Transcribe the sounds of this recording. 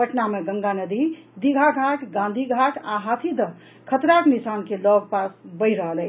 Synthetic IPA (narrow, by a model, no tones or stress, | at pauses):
pəʈnameɡəŋɡanəd̪id̪iɡʱaɡʱaʈʰɡãnd̪ʱiɡʱaʈʰaɦat̪ʰid̪ə | kʰət̪ɾaknisankelɔɡ̚pasbəɪɾəɦəlɛɪ